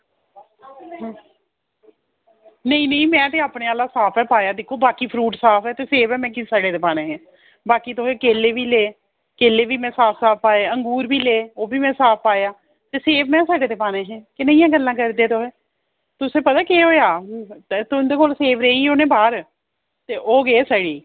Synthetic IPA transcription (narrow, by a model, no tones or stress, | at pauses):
ɦ | nəĩːnəĩːmɛ̃ːt̪̬eːaːpɳẽːaːlaːsaːpʰɛːpaːjaːd̪ɪkʰːoːbaːkiːpʰɾuːʈsaːpʰɛːt̪eːseːʋɛːmɛ̃ːkɪsaːɖeːt̪eːpaːnẽːɦɛ̃ː | baːkiːt̪oɦeːkeːleːʋiːleː | keːleːʋiːmɛ̃ːsaːpʰsaːp̚paːeːəŋɡuːɾbʱiːleːoːbiːmɛ̃ːsaːp̚ʰpaːjaː | t̪eːseːʋmɛ̃ːsaːɖeːt̪eːpaːnẽːɦɛ̃ːkɪnə̃ĩjãːɡəlːãːkəɾd̪eːt̪oːɦeː | t̪ʊsẽːpət̪aːkeɦoːjaː | t̪ond̪eːkoːlseːʋɾeːiːoːnẽːbaːɾ | t̪eːʔoːɡeːsəɽiː